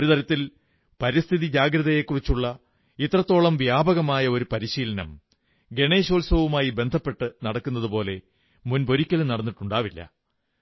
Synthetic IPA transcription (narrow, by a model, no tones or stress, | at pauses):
oɾut̪ɐɾɐt̪ːil | pɐɾist̪ʰiðid͡ʑaːɡɾɐðɐje̞kːurit͡ɕːuɭːɐ | it̪ːrɐt̪ːo̞ːɭɐmʋjaːbɐɣɐmaːjɐo̞ɾupɐɾiɕiːlɐnɐ̰m | ɡe̞ɳe̞ːɕoːlsɐʋumaːjibe̞nd̪ʱɐpːe̞ʈːɨnɐɽɐkːunːɐðupo̞ːle̞ | munbo̞ɾikʲːɐlnɐɽɐnːiʈːuɳɖaːʋilːɐ̰